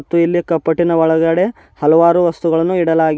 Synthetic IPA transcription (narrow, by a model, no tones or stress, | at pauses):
t̪ːuilːikɐpːɐʈːinɐʋɔɭɐɡɐɽe̞ | hɐlɐʋaːɾuʋɐst̪uɡɐɭɐnːuiɽɐlaːɡi